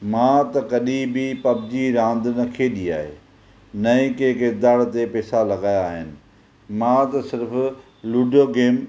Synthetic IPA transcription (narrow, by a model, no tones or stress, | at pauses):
mãt̪ɐkɐɗibʱipɐbd͡ʑiɾãːnd̪nɐkʰeɗia̰ːɦḛː | nɐ̃ĩkekɪɾd̪aːɽt̪epɛːsalɐɡaːjaːɦɪnɪ̆ | mãt̪ɐsɪɾf | luːɖʱjoːɡeːm